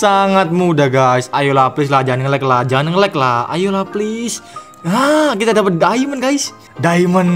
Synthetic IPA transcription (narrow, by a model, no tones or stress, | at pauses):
saŋat̪̚mudahɡajsajulaplis̬lad͡ʒanəŋlɛklad͡ʒanəŋlɛk̚laa̰julaplis | akit̪adapət̪̚daimənɡajs | daimən